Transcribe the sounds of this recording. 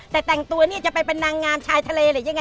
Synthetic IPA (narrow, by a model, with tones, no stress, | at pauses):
t̪ɛː˨˩t̪ɛ˨˩ŋt̪u˧ɐniː˥˩t͡ɕa˨˩pa˧jpe˧nːaː˧ŋːaː˧mt͡ɕʰaː˧jt̪ʰa˧leː˧lɤː˨˩˦ja˧ŋːa˧